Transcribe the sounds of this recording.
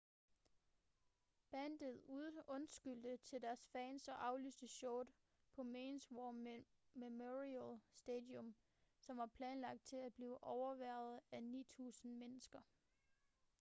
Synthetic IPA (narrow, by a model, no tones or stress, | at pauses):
b̥ænd̥ð̩ˠuðˠɔ̽nsɡ̥yl̰d̥ət͡sʰe̝ld̥æɐsfɛːnsɒ̽ʔɑ̈ʊlysd̥əɕɔːd̥ | pʰɒ̽meːnswɒ | memoʁilsd̥eːd̥iɔ̽m | sɒ̽mʋɑ̈pʰlɛːnlɑ̈ɡ̥̚d̥̚t͡sʰe̝læ̥b̥liːʊʔɒʊɐʋæɐð̩ˠæniːt͡sʰṵːsn̩menəsɡ̥ɐ